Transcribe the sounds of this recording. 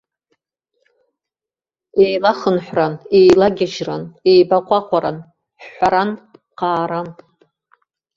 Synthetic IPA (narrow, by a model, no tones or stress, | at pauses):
ejlaχənħʷranejlaɡʲaʒranejbaqʷʼaqʷʰʼaɾan | ħːʷaɾan | qaːɾan